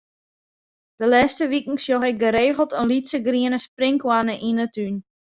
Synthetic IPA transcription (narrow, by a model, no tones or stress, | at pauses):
d̥əlɛːstəʋikŋ̩sjoxɪk̚ɡəɾeːɣəlˠtənlitsəɡriənəsprɪŋkwanəʔinətyn